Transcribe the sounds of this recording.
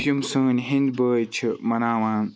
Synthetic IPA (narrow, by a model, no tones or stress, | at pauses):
jumsəːnɦĩnd̪bəːjt͡ʃʰimɐnaːwãːn